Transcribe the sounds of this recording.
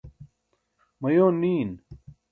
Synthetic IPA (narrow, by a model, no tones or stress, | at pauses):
mɐjoːniːn